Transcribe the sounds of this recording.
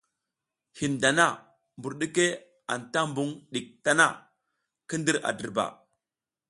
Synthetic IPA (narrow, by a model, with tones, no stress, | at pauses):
hi˨nda˨na˦ | mbu˨ɾɗi˦ke˦ | a̰˨nta˦mbu˦ŋɗi˨k̚ta˦na˦ | kə˦ndi˦ɾa̰˨də˨ɾba̰˨